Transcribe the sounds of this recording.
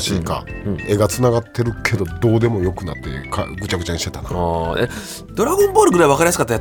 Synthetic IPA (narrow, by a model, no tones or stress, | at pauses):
ɕiːka̰e̞ɡat͡sɨnaɡat̪ʰːe̞ɾɯ̟kʰe̞d̪o̞d̪o̞ːd̪e̞mo̞jo̞kɯ̟nat̪ːe̞̰ka̰ɡɯ̟t͡ɕaɡɯ̟t͡ɕãit̪et̪ḁe | d̪̥o̞ɾaɡɯ̃mbo̞ːɾɯ̟ɡɯɾaiβakaɾʲijas̬ɨkat̪ːaja